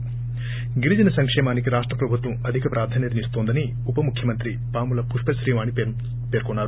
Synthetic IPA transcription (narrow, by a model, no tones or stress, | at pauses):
ɡiɾid͡ʒɐnɐsɐŋkʂɛːmaːnikiɾaːʂʈɾɐpɾɐbʱut̪ʋɐmɐd̪ʱikɐpɾʔaːɾd̪ʰʱaːnjɐd̪nist̪oːnd̪ɐni | upɐmukʰjɐmɐnt̪ɾi | paːmulɐpuʂpɐʃɾiːʋaːɳi | peːɾkɔɳːaːɾu